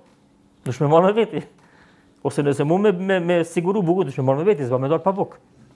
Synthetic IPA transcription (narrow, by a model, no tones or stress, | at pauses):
d̪uʃmɛmɔlmɛvɛt̪i | ɔsɛnɛsɛmumɛmɛmɛsiɡuɾubukund̪uʃmɛmɔlmɛvɛt̪̬isbamɛd̪ɔlpapɔk